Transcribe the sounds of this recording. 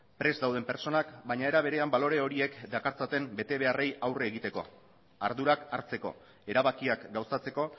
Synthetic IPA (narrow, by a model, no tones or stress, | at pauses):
pɾe̞zd̪awð̞e̞mpe̞ɾt͡so̞nakbaɲae̞ɾaβ̞e̞ɾe̞ambalo̞ɾe̞o̞ɾie̞kd̪akaɾt͡sat̪e̞mbe̞t̪e̞β̞e̞are̞jawreːɣ̞it̪e̞ko̞̰ | a̰ɾðuɾaka̰ɾt͡se̞ko̞̰ | e̞ɾaβakiakɡawsat͡se̞ko̞